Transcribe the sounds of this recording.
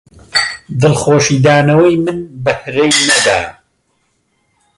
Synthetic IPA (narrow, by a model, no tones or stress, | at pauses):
d̪ɨlχoːʃiːd̪aːnɐwɐjmɨnbɐhɾejnɐd̪a̰ː